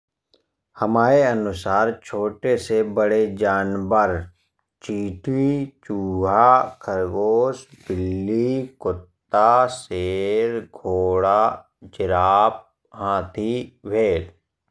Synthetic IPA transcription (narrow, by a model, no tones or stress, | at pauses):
həmaːɾeənʊsaːɾt͡ʃʰoːʈesebəɽed͡ʒaːnbəɾ | t͡ʃiːʈʰit͡ʃuːɦaːkʰəɾɡoːsbɪlːikʊt̪ːaseːɾɡʱoːɽa | d͡ʒɪɾaːp̚ | hãːt̪ʰiʋʱeːl